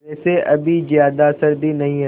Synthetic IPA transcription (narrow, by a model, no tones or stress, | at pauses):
ɛːseʔɐbʱizjaːd̪asəɾb̪ʱinɐɦĩɦɐ